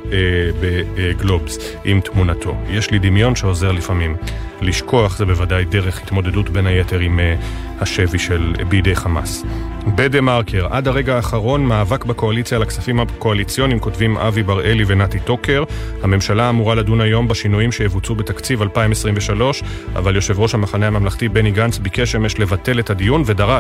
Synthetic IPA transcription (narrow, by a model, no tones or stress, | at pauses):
beɡlo̞bzʔimtmunatʰo̞̰je̞ʃlidimjo̞nʃe̞o̞ze̞ʁlifamimliʃko̞aχzebe̞vadajde̞ʁe̞χhit̪mo̞de̞dutbe̞naje̞te̞ʁim | haʃe̞viʃelbiːdejχama̰sbedemaʁkʰeʁʔa̰daʁe̞ɡaːχaʁo̞nmaːvakbako̞alit͡sjalakt͡safimako̞alit͡sjo̞nimko̞tvimʔa̰vibaʁe̞livenatito̞ke̞ʁhame̞mʃalaːmuʁaladunajo̞mbaʃinujimʃejevut͡sube̞t̪akt͡sivalpaimesʁimveʃalo̞ʃ | a̰valjo̞ʃe̞vʁo̞ʃhamaχanehamamlaχtibe̞niɡant͡sbike̞ʃemjeʃle̞vate̞le̞thadijunve̞daʁa